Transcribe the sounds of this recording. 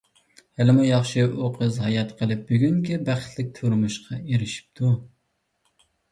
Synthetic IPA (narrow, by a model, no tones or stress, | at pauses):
hælɪmujɑχʃɨʔoqʰɨzɦɑjɑt̪qʰəlˠɪp̚byɡʲyŋkʲibæχt̪ʰlɪk̚ʲt̪ʰoɾmuʃqʰɑeɾɪʃi̥p̚t̪ʰu